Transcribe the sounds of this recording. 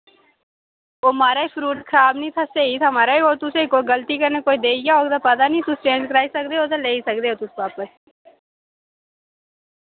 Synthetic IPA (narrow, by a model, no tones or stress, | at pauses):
oːmaːɾaːipʰɾuːʈkʰəɾaːbnĩt̪ʰaseːit̪ʰamaːɾaioːt̪ʊseikoːiɡəlt̪ikəɾnekoːid̪eːaoːɡd̪apaːd̪anĩt̪ʊsʈẽːskəɾaːisəkd̪eːɦoːt̪aleːisəkd̪eːoːt̪ʊspaːpəɾ